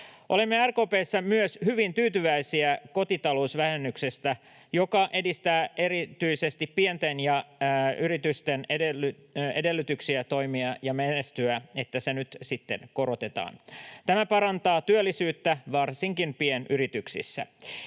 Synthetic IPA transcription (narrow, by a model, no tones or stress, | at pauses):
ʔo̞limːeærkoːpeːsːæmyøshyʋint̪yːt̪yʋæisiæko̞t̪it̪ɑlousʋæhenːyksest̪æ | jo̞kɑʔe̞dist̪æːʔe̞ɾit̪yise̞st̪ippient̪enjɑyɾit̪yst̪eneeḛde̞lːyt̪yksiæt̪o̞imiɑjɑmenest̪yæet̪ːæsenyt̪sit̪ːḛnko̞ɾo̞t̪e̞t̪ɑ̰ːnt̪æmæpɑɾɑnt̪ɑːt̪yølːisyːt̪ːæʋɑrsiŋkinpienʔyɾit̪yksḭsːæ̰